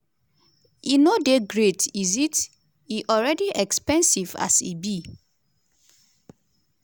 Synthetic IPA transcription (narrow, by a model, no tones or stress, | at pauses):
inodeɡɹetizit | iʔɔlɹɛdiʔɛkspɛ̃nsiva̰sḭbi